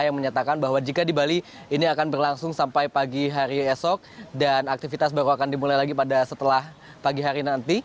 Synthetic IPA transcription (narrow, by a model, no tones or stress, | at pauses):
jaŋməɲat̪akanbaɦwad͡ʒikadibali | iniakanbərlaŋsʊŋsampajpaɡiɦaɾiɛsɔk̚danak̚t̪ifit̪as̬baɾuakandimulajlaɡipadasət̪əlah | paɡiɦaɾinant̪i